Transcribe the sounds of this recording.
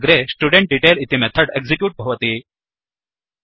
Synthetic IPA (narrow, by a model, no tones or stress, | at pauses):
ɡɾesʈuɖeɳʈ̚ɖiʈelit̪imɛt̪ʰːəʈeɡzikjuːʈ̚bʱɐʋət̪i